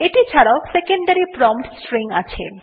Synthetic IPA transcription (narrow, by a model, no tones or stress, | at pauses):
eʈit͡ɕʰaɽaosekeɳɖaɾipɾɔmpʈsʈɾiŋat͡ɕʰe